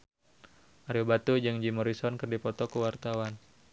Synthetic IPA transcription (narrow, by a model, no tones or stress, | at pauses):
ʔaɾiobat̪ud͡ʒɨŋd͡ʒimɔɾisɔnkərdipɔt̪ɔkəwart̪awan